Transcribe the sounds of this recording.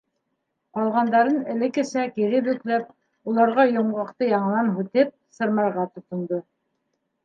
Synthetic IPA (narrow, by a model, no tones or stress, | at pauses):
qɑlˠʁɑnd̪ɑɾɤnɘ̆lɘ̆kɘ̆sækiɾɘbɵ̆klæp̚ | ulˠɑɾʁɑjŏɴʁɑqt̪ɤjɑɴlˠɑnɦʉt̪ɘp̚sɤ̆ɾmɑɾʁɑt̪ŏt̪ŏnd̪o